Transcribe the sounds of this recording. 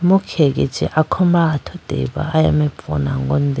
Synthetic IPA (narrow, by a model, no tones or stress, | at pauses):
mukʰek̬ʼɛ̥d͡ʒʱɛ̰ʔakʰɔmbaːtʰɔd̥ʱɛ̰ɓa̰ːja̰mɛb̪fṵnaŋɡɔ̰ndʱɛ